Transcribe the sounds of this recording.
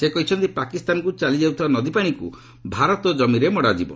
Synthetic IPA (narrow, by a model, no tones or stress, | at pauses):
sekɔɦit͡ʃʰɔnt̪ipakist̪anɔkut͡ʃalid͡ʒauwt̪ʰibanɔd̪ipaɽ̃ikṵ | bʱaɾɔt̪ɔd͡ʒɔmiɾemɔɽad͡ʒibɔ